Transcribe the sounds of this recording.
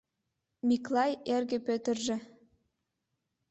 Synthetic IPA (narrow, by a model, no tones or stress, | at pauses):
mʲiklˠɑjerɣĕpøt̪ə̆rʒĕ